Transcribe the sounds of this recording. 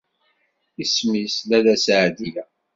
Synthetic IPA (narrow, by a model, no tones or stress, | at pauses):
ismislælæsʕd̪ilæ